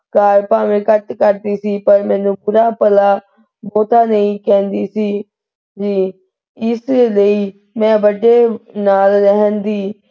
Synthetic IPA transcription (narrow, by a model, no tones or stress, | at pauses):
kaːɾpaːʋẽːkət̪kəɾd̪iːsiːpəɾmɛ̃ːnũːpʊɾaːpəlaː | bɔːt̪aːnəĩːkɛ̃ːnd̪iːsiː | d͡ʒiː | ɪsləiː | mɛ̃ːbəɖeːnaːlːəɦənd̪iː